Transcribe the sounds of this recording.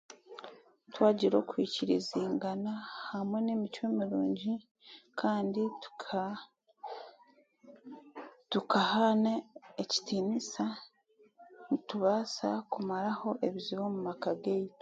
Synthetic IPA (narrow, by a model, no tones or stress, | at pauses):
twaːɟiɾo̞̰ːkwiːciɾḭziːŋɡanahamwe̞ne̞micwemiɾuːɲɟi | kʰaːndit | tukahanaeci̥tiːnisa | nituβaːsa̰kumaɾaho̞ʔe̞βiziβo̞mumakaɡej